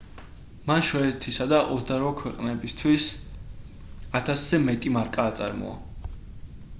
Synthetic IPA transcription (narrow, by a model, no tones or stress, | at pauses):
manʃɔɛt̪ʰisad̪aʔɔzsd̪aɾvakʰwɛqʼnɛbist̪ʰwis | at̪ʰaszɛmɛt̪ʼimaɾkʼaːt̪sʼa̰ɾmɔ̰a̰